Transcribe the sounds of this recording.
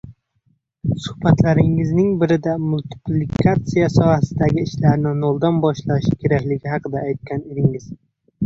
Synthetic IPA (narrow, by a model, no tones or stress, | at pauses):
sʊhbat̪laɾɪŋɪznɪŋbɪɾɪd̪amʊlt̪ʰɪ̥plɪkʰat̪sijasɒhasɪd̪aɡʲɪːʃlaɾnɪnolˠd̪anbɒʃlaʃɪkʲʰe̞ɾakʲlɪɡʲɪɦɑqɨd̪aːjt̪̚kʲʰaned̪ɪŋɪz̥